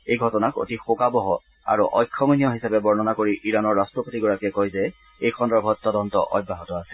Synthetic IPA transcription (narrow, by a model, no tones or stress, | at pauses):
ejɡʱɔtɔnako̰tixokabɔɦɔ | a̰ɹuʔɔ̰jkʰːɔmonijɔɦisapɛbɔɹnɔnakoɹiʔiɹanɔɹːastɹɔpotiɡɔɹakɛkɔjzɛ | ejxʰɔndɔbʱɔt̚tɔdɔntɔ̰ʔɔ̰bʱːaɦɔtɔasɛ̥